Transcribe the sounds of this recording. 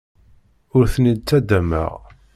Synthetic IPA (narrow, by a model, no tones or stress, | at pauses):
ʊɾθənid̪t͡sːæd̪æmə̰ʁ